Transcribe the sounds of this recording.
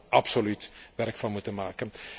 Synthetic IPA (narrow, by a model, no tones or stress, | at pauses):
ʔɑpsolytʋɛrkfɑnmutənmaːkən